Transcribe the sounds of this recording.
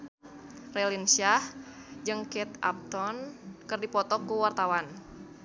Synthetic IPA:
rɛlinsah | d͡ʒɨŋkɛt̪a̰p̚t̪ɔnkɨrdipɔt̪ɔkuwart̪awan

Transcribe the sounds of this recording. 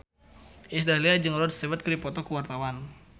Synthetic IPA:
ʔis̬dahliad͡ʒəŋɔɾɔdst̪əvət̪̚kərdipɔt̪ɔkəwart̪awan

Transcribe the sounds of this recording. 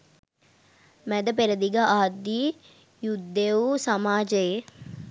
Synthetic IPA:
mæd̪əpeɾəd̪iɡəaːd̪ːi | jud̪ːeʋusamaːd͡ʒəje

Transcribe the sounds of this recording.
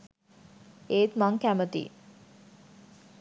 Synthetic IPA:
eːt̪maŋkæmət̪ḭ

